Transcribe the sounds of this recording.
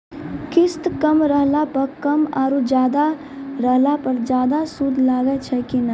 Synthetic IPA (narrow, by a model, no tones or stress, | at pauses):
kɪst̪kəmɾəɦlapəɾkɐmaːɾud͡ʒjaːd̪a | ɾəɦlapəɾd͡ʒjaːd̪asuːd̪ʱlaːɡət͡ʃʰɛkina